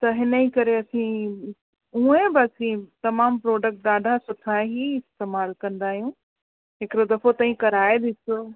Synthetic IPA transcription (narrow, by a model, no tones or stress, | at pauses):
t̪ɐɦɪnəikɐɾeɐsĩ | ũːẽbɪɐsĩt̪ɐmaːmpɾoːɖək̚ʈ̚d̪aːɖʱasʊʈʰaːeɦiɪst̪eːmaːlkɐ̃nd̪aːɦijũ | ɦɪkɪɾod̪ɐfot̪aːɦĩkɐɾaːed̪ɪso